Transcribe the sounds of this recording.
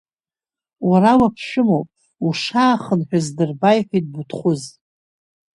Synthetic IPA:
waɾawapʰʃɪmowpʼ | uʂaːχənħʷᶣazdɨrbajħʷᶣit̚ʼbutʰχʷʊz

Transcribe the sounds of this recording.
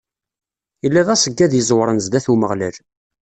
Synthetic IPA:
əlːæðˤæsəɡːæðjəzˤwɾˤənzd̪æθuməʁlæl

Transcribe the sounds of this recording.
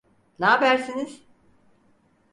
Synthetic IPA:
naːbæɾsiniz̥

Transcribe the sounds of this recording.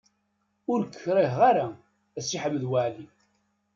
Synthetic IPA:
ʊɾkːəçɾˤiɦʁaɾa | æsiħəməðwaʕli

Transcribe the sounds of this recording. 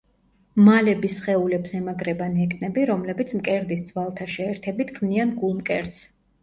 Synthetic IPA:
malɛbisχɛulɛbsɛmaɡɾɛbanɛkʼnɛbiɾɔmlɛbit̪sʰmkʼɛɾd̪isd̪zwalˠt̪ʰaʃɛːɾt̪ʰɛbit̪kʰmnianɡulˠmkʼɛɾt̪s

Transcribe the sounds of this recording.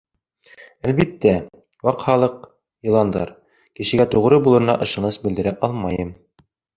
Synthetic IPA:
ælβit̪ːæ | wɑqhɑlˠɤq | jɤ̆lˠɑnd̪ɑ̰ɾ | kɘ̆ʃɘ̆ɡæt̪uʁɾɤbulˠɤ̆ɾɤ̆nɑ̰ʔɤ̆ʃɤ̆nɤsbɘ̆d̪ɘ̆ɾæʔɑlˠmɑjɤm

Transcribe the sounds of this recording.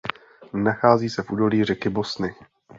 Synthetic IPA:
naxaːziːsɛfʔuːdo̞liːr̝ɛkɪbo̞snɪ

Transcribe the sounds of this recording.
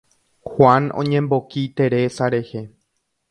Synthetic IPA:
hwanõ̰ɲẽ̞mbo̞kit̪e̞ɾesaɾe̞he

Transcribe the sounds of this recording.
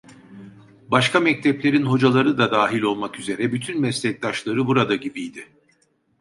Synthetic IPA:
baʃkamɛc̚t̪ʰɛplʲe̞ɾinɦo̞d͡ʒalˠaɾɯd̪ad̪aːɦilʲo̞lˠmakyze̞ɾɛbyt̪ʰynmɛslʲɛc̚d̪aʃlˠaɾɯbuɾad̪aɟibijd̪ɪ

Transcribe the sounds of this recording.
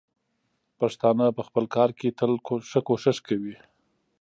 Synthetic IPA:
paʂt̪ɑnəpəxpəlkɑɾket̪əlʂəkoʃɪʂkawi

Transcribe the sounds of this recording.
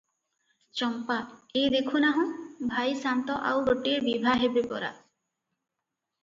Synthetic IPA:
t͡ɕɔmpat̪ed̪ekʰunaɦũbʱajsant̪ɔʔa̰wboʈːiɾbibʱaɦebebɔ̰ɾa̰

